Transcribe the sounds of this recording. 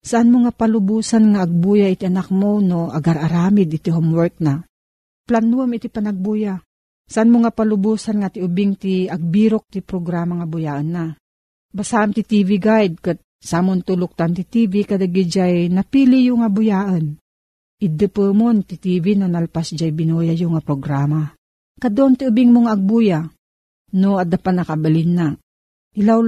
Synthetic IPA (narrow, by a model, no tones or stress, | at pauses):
saʔanmoŋapalʊbuːsanŋaʔːɡ̚bujaʔit̪iʔanak̚monoaɡaɾaɾaːmɪd̪ʔɪt̪iɦomwɛɾk̚na | planuamit̪ipanaɡ̚buja | saʔanmoŋapalʊbuːsanŋat̪iʊbiŋt̪iaɡ̚biɾok̚t̪ipɾoɡɾaːmaŋabʊjaʔanːa | basaʔamt̪it̪iːviɡajd̪̚kɨt̪̚ | samʊnt̪ulʊk̚t̪ant̪it̪ivikad̪aɡid͡ʒajnapilijʊŋabʊjaʔən | id̪ɨpəmont̪it̪iːvinonalpasd͡ʒajbinojajʊŋapɾoɡɾama | kad̪oʔnt̪iubiŋmoŋaɐɡ̚buja | noad̪apat̪nːakabalinːa | ʔilaw